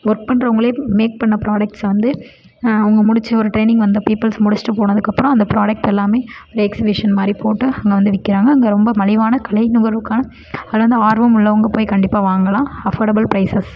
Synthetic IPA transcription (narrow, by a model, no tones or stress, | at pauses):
ʋɔɾk̚pɐɳɖɾɐʊŋɡɐɭeːmeːk̚pɐɳːɐpɪɾaːɽɐk̚ʈsʋɐnd̪ɯ | ʊŋɡɐmʊɽɪt͡ʃːɐɔɾɯʈɾeːnɪ̃ŋɡʋɐnd̪ɐpiːpːɐlsmʊɽɪt͡ʃːʈːɯpoːnɐðɯkːɐpːɯɾɔ̃ɐnd̪ɐpɾaːɽɐk̚ʈɛlːaːmeːɔɾɛksɪbɪʂɐnmaːd̪ɾipoːʈːɯɐŋɡɐʋɐnd̪ɯʋɪkːɪɾaːŋɡɐːŋɡeɾɔmbɐmɐlɪʋaːnɐkɐɭɐɪnʊɣɐɾʋɯkːaːnɐ | ɐððɯʋɐnd̪ɯaːɾʋɐmʊɭːɐʊŋɡɐpoːjkɐɳɖɪpːaːʋaːŋɡɐlãːɐfɐːɾɽɐbɐlpɾɐɪsɐs